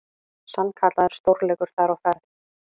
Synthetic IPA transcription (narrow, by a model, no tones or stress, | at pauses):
sankʰaːt̪laðɛɾ̥st̪owɾlɛːkʏɾ̥θaɾawfɛɾθ